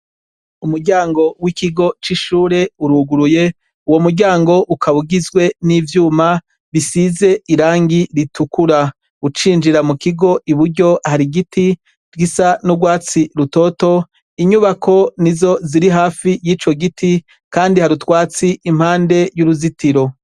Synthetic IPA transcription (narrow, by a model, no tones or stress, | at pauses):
umuɾɟaːŋɡo̞wikiɡo̞t͡ʃiʃuːɾe̞uɾuɡuɾuje̞ | uwo̞muɾɟaːŋɡo̞ʔukʰaβuɡizɡwe̞nivjuːma | βisize̞iɾaːŋɡiɾitʰukuɾa | ut͡ʃiːnd͡ʒiɾamukiɡo̞ʔiβuɾɟo̞haɾiɡiti | d͡ʒɡisanuɡwaːt͡siɾuto̞ːto̞ | iɲuβakʰo̞nizo̞ziɾiɦaːfijiːt͡ʃo̞ɡitʰi | kaːndihaɾutwaːt͡siʔim̥haːnde̞juɾuzitiɾo̞